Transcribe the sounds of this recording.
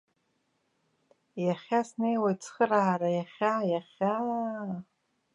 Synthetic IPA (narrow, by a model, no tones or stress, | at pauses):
jaχʲasnejwajt͡sʰχəraarajaχʲajaχʲa